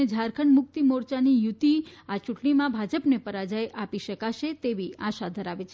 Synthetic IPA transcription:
ed͡ʒʱaɾkʰəɳmʊk̚t̪imoɾt͡ʃanijut̪iat͡ʃuʈɳimãbʱad͡ʒəpnepəɾad͡ʒajʔapiʃəkaʃet̪eʋiaʃad̪ʱəɾaʋet͡ʃʰe

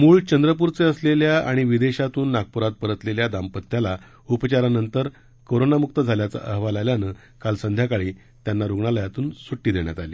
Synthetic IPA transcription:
muːɭt͡ɕənd̪ɾəp̬uɾt͡seəsleljaa̰ɽ̃iʋid̪eɕat̪uːnːaɡ̚puɾat̪̚pəɾət̪leljad̪ampət̪ːjala | upət͡ɕaɾanənt̪əɾ | koɾonamuk̚t̪əd͡zʱaljat͡sa̰ʔəɦʋalaljanə | kalsənd̪ʱjakaɭiː | t̪janːaɾuɡɳaləjat̪uːnsoʈːiːd̪eɳja̰t̪alḭː

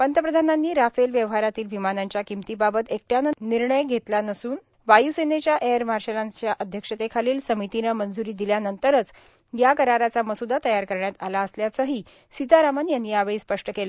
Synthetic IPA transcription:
pənt̪əpɾəd̪ʱananːiːɾafelʋjəʋɦaɾat̪iːlʋimanaɲt͡ɕjakimt̪iːbabət̪ek̚ʈjanniɾɳəjɡʱet̪lanəsuːn | ʋajusenet͡ɕjaʔeəɾmaɾɕelant͡ɕjaʔəd̪ʱjəkʂət̪ekʰaliːlsəmit̪inəmənd͡zuɾiːd̪iljanənt̪əɾət͡s | jakəɾaɾat͡saməsud̪at̪əjaɾkəɾɳjat̪alaəsljat͡səɦiː | sit̪aɾamənjanːiːaʋɭiːspəʂʈəkela

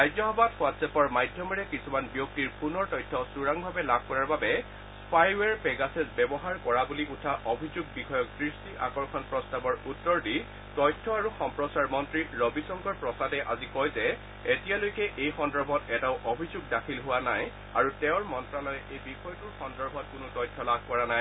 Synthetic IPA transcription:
ajzɔɦɔbadwatsɛpɔɹmajdʱjɔmɔɹɛkisumanbjok̚tiɹpunɔɹtɔjtʰːɔsuɹaŋbʱabɛlab̚ʱkɔɹaɹbabɛ | spʰajwɛɹpɛɡasɛzbɛbɔɦaɹkɔɹabuliʔutʰaʔobʱizuɡ̚bixʰɔjɔk̚dɹistiʔa̰kɔɹkʰɔnpɹɔstabɔɹutːɔɹdi | tɔjtʰːɔaɹuxɔmpɹɔsaɹmɔntɹiɹɔbisɔŋɡɔɹpɹɔsadɛʔazikɔjzɛ | etijalojkɛʔejxɔndɔɹbʱɔtɛtaʊʔobʱizuɡdakʰilɦʊwanaj | aɹutɛʊɹmɔntɹalɔjʔejbixʰɔjɔtuɹxɔndɔɹbʱɔt̚kʊnʊtɔjtʰːɔlab̚ʱkɔɹanaj

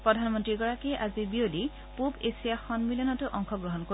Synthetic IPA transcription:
pɹɔdʱanmɔntɹikɔɹakɛʔazibioli | pubesijaxɔnmilijɔnɔtʊʔɔŋkʰɔɡɹɔɦɔnko

